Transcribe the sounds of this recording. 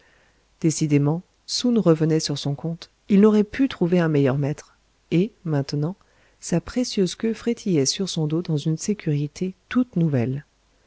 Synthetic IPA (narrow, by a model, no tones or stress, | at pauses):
d̪̥esid̪emɑ̃ | sunʁəvənɛsyʁsɔ̃kɔ̃t̪ | ilnɔʁɛpʰyt̪χuveɛ̃mɛjœʁmɛt̪χ | emɛ̃t̪nɑ̃ | sapχesjøzkʲøfχet̪ʰijɛsyʁsɔ̃d̪od̪ɑ̃zynsekʲʰyʁit̪et̪ut̪nuvɛl